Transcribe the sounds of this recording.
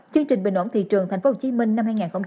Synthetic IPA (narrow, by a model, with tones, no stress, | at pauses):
t͡ɕɨ˧əŋt͡ɕï˨˩ŋ̟ɓï̟˨˩ʔo˧˦nt̪ʰḭ˧˨t͡ɕɨ˨˩ŋt̪a˨˩ŋ̟fo˧˥ho˨˩t͡ɕi˧˦mï˧ŋ̟na˧mhaː˧jŋaː˨˩nxə˧wŋ͡m